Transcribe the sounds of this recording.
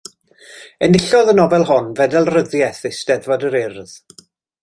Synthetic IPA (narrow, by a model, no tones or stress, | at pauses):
ənɪɬɔðənɔvɛlˠɦɔnvɛdɛlˠrəðjɛθɪsd̥ɛðvɔdəɾɪrð̥